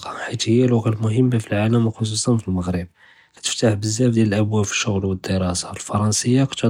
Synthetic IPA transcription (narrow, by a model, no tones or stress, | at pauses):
ɑħit̪həjːælwɑɣælmʊɦəmːafilʕaləmwxos̬usɑnfilməɣɾəb̚ | kæ̥t̪ə̥ft̪aħbəzːæfd̪jæləlʔəbwæbfi̥ʃːʊɣlwəd̪ːəɾˤɑsalfɑɾˤɑnsəjːakt̪